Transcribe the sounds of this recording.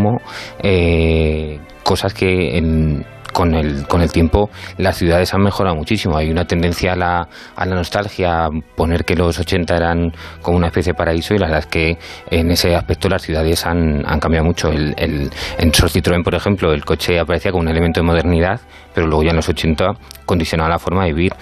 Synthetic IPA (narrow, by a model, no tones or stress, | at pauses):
mo̞e | ko̞saske̞ḛn | ko̞nelko̞ne̞lt̪je̞mpo̞lasθjuð̞aðe̞sanme̞xo̞ɾaomut͡ʃisimo̞ajunat̪end̪ẽ̞nθjaːla̰ː | lano̞st̪alxjapo̞ne̞ɾke̞lo̞so̞t͡ʃe̞nt̪ae̞ɾaŋko̞mounaespe̞θjeepaɾaiso̞ilaβɾðaeske̞ːne̞se̞aspe̞k̚t̪o̞lasθjuðaðe̞sana̰ŋkambjaðomut͡ʃo̞elḛlenso̞ɾθit̪ɾo̞empo̞ɾe̞xe̞mplo̞e̞lko̞t͡ʃe̞apaɾeθiako̞mune̞lement̪oemo̞ð̞e̞ɾniðað | pe̞ɾolwe̞ɣo̞ʝaenlo̞so̞t͡ʃe̞nt̪ako̞nd̪iθjonaβalafo̞ɾmaðiβiɾ